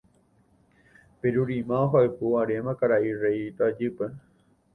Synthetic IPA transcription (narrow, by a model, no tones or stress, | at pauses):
peɾuɾimãoɦaepuaɾemãkaɾaʔireit̪ad͡ʒɨpe